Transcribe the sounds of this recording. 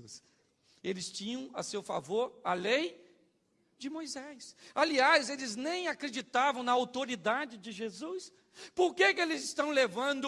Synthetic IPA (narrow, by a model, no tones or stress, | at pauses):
s | elɪst͡ʃĩɲɐ̃w̃ɐ̰sewfa̰voɾalej | d͡ʒɪmojzɛsaliazelɪznẽj̃akɾed͡ʒit̪avɐ̃w̃nɐawt̪oɾid̪ad͡ʒɪd͡ʒɪʒezus | poɾkekɪelɪzɪst̪ɐ̃w̃levɐ̃nd̪ʊ